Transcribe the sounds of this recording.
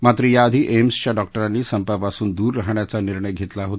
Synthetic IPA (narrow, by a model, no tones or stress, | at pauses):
mat̪ɾəjaəd̪ʱiʔemst͡ɕjaɖɔk̚ʈəɾanːiːsəmpapasuːnd̪uːɾːaɦɳjat͡saniɾɳəjɡʱet̪laɦot̪